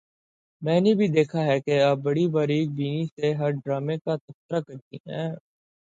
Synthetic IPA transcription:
mɛ̃ːnebʱid̪eːkʰaɦɛkeɐb̚bɐɽibaːɾiːk̚biːniseɦɐɾɖɾaːmẽkat̪ɐft̪əɾakɐɾt̪ḭɦɛ̰̃ː

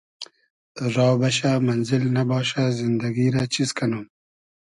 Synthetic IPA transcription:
ɾɑːwbɐɕamɐnzilnabɑːɕazind̪ɐɡiːɾat͡ɕizkʰanum

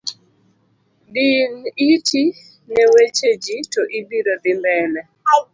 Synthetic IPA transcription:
dinitʰi | nɛwet͡ʃed͡ʒitoʔibiɾod̪ɪmbɛnɛ

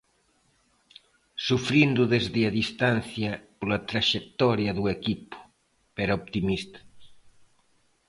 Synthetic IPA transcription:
sufɾind̪uðezðeaðist̪an̟θjɐpolɐt̪ɾaʃek̚t̪ɔɾjɐðuekipu̥ | peɾaopt̪imist̪ɐ̥

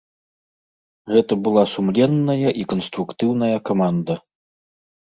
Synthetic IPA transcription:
ɣɛt̪ɐbɨlˠasumlʲɛnːɐjɐʔikɐnst̪ɾukt̪ɨwnɐjɐkamand̪ɐ

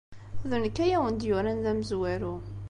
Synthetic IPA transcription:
ðunkːæjæwənd̪jʊɾænðæməzwæɾu

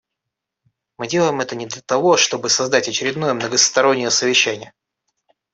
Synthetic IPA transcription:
mɨdʲe̞lˠəjɪmɛt̪ənʲɪd̪lʲət̪ɐvo̞ʂt̪o̞bɨsɐzd̪atʲɐt͡ɕɪɾʲɪd̪no̞jəmnəɡəst̪ɐɾo̞nʲːɪjəsəvʲɪɕːænʲɪjə

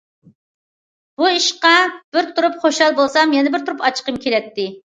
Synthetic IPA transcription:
b̥uiʃqɑb̥ɪɾt̪ʰuɾupχoʃɑlˠbolˠsɑmjɛnɪbɪɾt̪ʰuɾupɑt͡ʃʰqəmkʲʰelɛt̪ʰːɪ

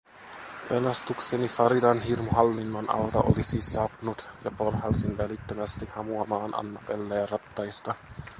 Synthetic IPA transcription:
pelɑst̪uksenifɑɾidɑnɦirmoɦɑlːinːɑnʔɑ̰lt̪ɑ̰ʔo̰lisiːsɑpnut̪jɑporhɑlsinʋælit̪ːømæst̪ihɑmuɑmɑːnʔɑ̰nːɑpelːejærɑt̪ːɑjst̪ɑ

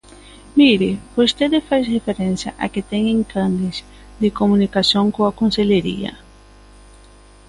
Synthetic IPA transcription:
miɾɪbost̪eðɪfajsʁefeɾẽnsjɐ̰ʔa̰kɪt̪eŋẽŋkand̪ɪs | d̪ɪkomũnikasjõŋkõɐkõnseʎeɾḭɐ̰

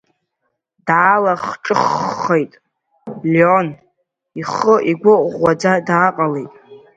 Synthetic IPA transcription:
daːlaχʈ͡ʂʼɨχːejtʼ | lon | iχəʔiɡʷʊʔʼʁʷad͡zadaːqʼalejtʼ

